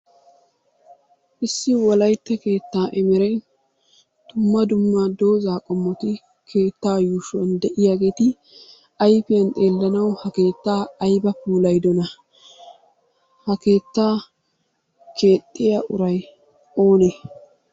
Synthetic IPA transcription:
ʔɪsːɪwɔlɐjt̪ːɛke̞ːt̪ːaːʔɛmɛɾɛn | d̪̥ʊmːɐd̪ʊmːad̪o̞ːzaːkʼɔmːɔt̪ɪ | kʰe̞ːt̪ːaːjuʃɔnd̪ɛʔɪjaːɡeːt̪ɪ | ɐjpɪjɐnt̪ʼe̞ːlːɐnɐwhɐke̞ːt̪ːaːɐjbɐpuːlɐjd̪ɔnɐ | hɐke̞ːt̪ːaː | kʰe̞ːt̪ʼːɪjaʔʊɾɐj | o̞ːne

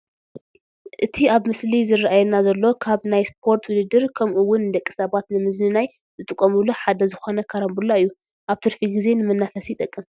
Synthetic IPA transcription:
ʔɨt̪ʰiaβmɨslizɨrːaʔajɛnazɐlːo̞kʰaβnajspʰo̞ɾt̪ʰwʊd̪ɨd̪ɨɾkʰɐmʔuwʊnd̪ɐkʼːi̥sɐβat̪nɨmɨznɨnaj | zɨt̪ʼɨkʼːɐmuluħad̪ɐzɨxo̞nɐkʰaɾɐmbulːaɨjːu | ʔaβt̪ʰɨɾfiɡize̞nɨmɐnːafɐsijt̪ʼɐkʼːɨm

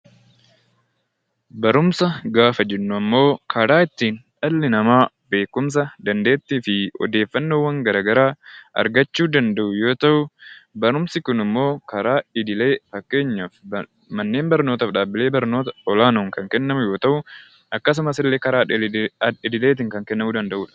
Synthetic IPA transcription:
bɐɾʊmsɐɡaːfɐd͡ʒɛnːʊɐmːo̞ːkʰɐɾaːɪt̪ːiːnᶑɐlːɪnɐmaː | be̞ːkːʊms̬ɐd̪ɐnd̪e̞ːt̪ːiːfɪɔ̰d̪e̞ːfːɐnːoːwːɐŋɡɐɾaːɡɐɾaːɐ̰ɾɡɐt͡ʃːuːd̪ɐnd̪ɐʔʊjo̞ːt̪ɐʔʊbɐɾʊmsɪkʊnɪmːo̞ːkɐɾaːɪd̪ɪle̞ːfɐkːe̞ːɲːaːf | mɐnːe̞ːnbɐɾnoːt̪ɐfᶑaːbːɪle̞ːbɐɾno̞ːt̪ɐɔlaːnuːŋkɐŋkɛnːɐmʊjo̞ːt̪ɐʔʊ | ɐkːɐs̬ʊmɐsɪlːeːkɐɾaː | ɪd̪ɪleːt̪̬ɪːŋkɐŋkɛnːɐmuːd̪ɐnd̪ɐʔuːᶑɐ̥

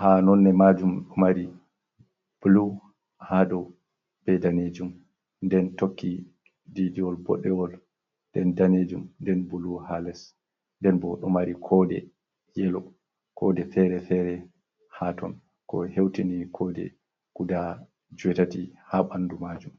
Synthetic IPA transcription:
hanɔnːɛmad͡ʒumɗɔmaɾi | b̥ulu | hadɔ | b̥ɛdaned͡ʒum | ndɛntokːi | didiɔlbɔ̰ɗːɛwɔl | dɛndaned͡ʒumndɛnbuluhalɛs | ndɛnbɔɗɔmaɾikʰɔdɛ | jɛlɔ | kʰɔdɛfɛɾɛfɛɾɛ | hatɔn | kɔhewtinikʰɔdɛ̰ | kuda | d͡ʒuwɛtatihaɓandumad͡ʒum

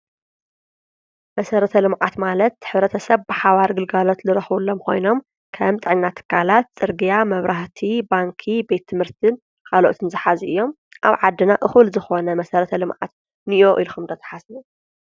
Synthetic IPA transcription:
mɐsɐɾɐt̪ʰɐlɨmʕat̪malɐt̪ːħɨβɾɐt̪ʰɐsɐβbɨħaβaɾɡɨlɡalo̞t̪lɨɾɐxβulːomkʰo̞̰jno̞m | kʰɐmt̪ʼɨʕɨnnat̪ʰɨ̥kʰːalat̪̚t͡sʼɨɾɡijamɐβɾʔaht̪ʰibaŋkʰibe̞t̪ʰːɨmhɨɾt̪ʰɨn | kʰaloʔot̪ʰɨnzɨħazʔɨjːo̞m | ʔa̰βʕad̪ːɨnaʔɨxɨlzɨxo̞nɐmɐsɐɾɐt̪ʰɐlɨmʕa̰t̪̚ | nɨʔoʔilxumd̪ɐt̪ʰɐ̥ħasu

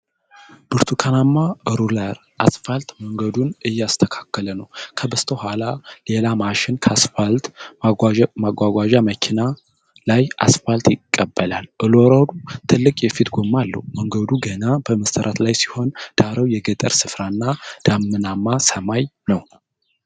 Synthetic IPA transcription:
b̥ɨɾt̪ʰukʰanamːaʔɨɾulaɾ | ʔasfalt̪məŋɡəd̪unɨjːɛast̪ʰəkʰḁkːələnəwkʰəbəst̪ʰəhʷalale̞lamaʃɪnkʰasfalt̪ | maɡʷaɡʷaʒaməkʰina | lajʔa̰sfalt̪jɪkʼːəbːəlalʔɨloɾədut̪ʰɨlːɨkʼjɛfit̪ɡo̞mːalːə̰huməŋɡəd̪uɡənab̥əməst̪ʰəɾʔat̪lajsi̥ho̞nd̪̥aɾəwjɛɡət̪ʼə̰ɾsɨfɾanːad̪̥amːɨnamːasəmajnəw

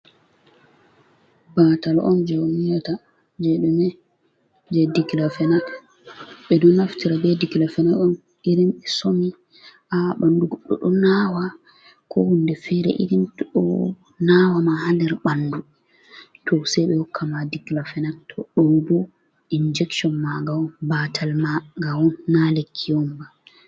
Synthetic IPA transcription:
batalʔɔnd͡ʒowmijata | d͡ʒɛɗumɛ | d͡ʒɛdikilafɛnat | ɓɛdɔnaftiɾabɛdiɡilafɛnaɗɔn | iɾimɛsomi | ʔaɓanduɡɔɗːɔ̰ɗɔnaːwa | kʰɔhundɛfɛɾɛ̰ʔḭɾimtɗɔ | nawamahanɛɾɓandu | tʰɔsɛjɓɛhɔkʰːamadiɡlafɛnatʰːɔɗɔbɔ | ind͡ʒɛkʃɔnmaɡawɔnbatʰalmaɡawɔnːalekʰːiɔmba

